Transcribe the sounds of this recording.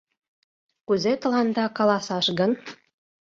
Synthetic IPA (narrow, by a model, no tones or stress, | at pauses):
kuzet̪ə̆lɑnd̪ɑkɑlɑsɑʃɡə̆n